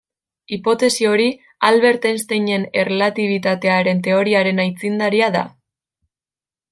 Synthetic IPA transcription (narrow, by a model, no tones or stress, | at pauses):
ipo̞t̪e̞sio̞ɾi | alβe̞ɾt̪enst̪ejɲe̞ne̞relat̪iβ̞it̪at̪e̞aɾe̞nt̪e̞o̞ɾiaɾe̞najt͡sind̪aɾiaða̰